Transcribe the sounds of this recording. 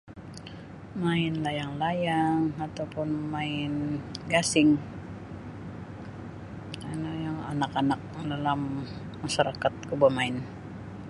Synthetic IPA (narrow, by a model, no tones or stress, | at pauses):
maɪnlajaŋlajaŋat̪awpʊnmaɪnɡasɪŋ | anojaŋa̰nakanak̚dalamː | aʃaɾakat̪̚kubamaɪn